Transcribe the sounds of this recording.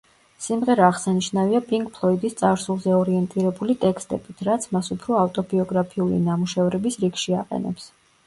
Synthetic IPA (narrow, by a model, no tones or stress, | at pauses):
simʁɛɾaːʁsaniʃnaviapʼiŋkʼpʰlˠɔid̪ist̪sʼaɾsulˠzɛɔɾiɛnt̪ʼiɾɛbulit̪ʼɛkst̪ʼɛb̥it̪ʰɾat̪sʰmasupʰɾɔaft̪ʼɔbiɔɡɾapʰiulḭnamuʃɛvɾɛbisɾiɡʃiaqʼɛ̰nɛ̰ps